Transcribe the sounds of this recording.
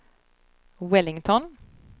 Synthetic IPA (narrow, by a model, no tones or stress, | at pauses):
wɛlɪŋt̪ʰɔn